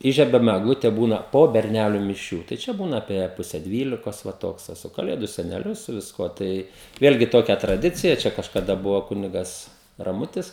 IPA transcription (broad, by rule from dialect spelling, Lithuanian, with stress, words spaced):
ˈiːʒʲiɛbʲɛm ɛɡˈlˠʊtʲɛ ˈbuːnɐ poː bʲɛrʲˈnʲæːlʲʊ mʲɪˈʃʲuː tɐɪ ˈt͡ʃʲɛ ˈbuːnɐ ɐpʲiɛ ˈpʊsʲɛ ˈdʲʋʲiːlʲɪkoːs ˈʋɐ ˈtoːks tʲɛ ˈsʊ kɐˈlʲeːdʊ sʲɛnʲɛˈlʲʊ sʊ ʋʲɪsˈkuɔ ˈtɐɪ ˈʋʲeːlʲɡʲɪ ˈtoːkʲɛ trɐˈdʲɪt͡sʲɪjɛ ˈt͡ʃʲɛ kɐʃkɐˈdɐ ˈbʊʋoː ˈkʊnʲɪɡɐs rɐˈmʊtʲɪs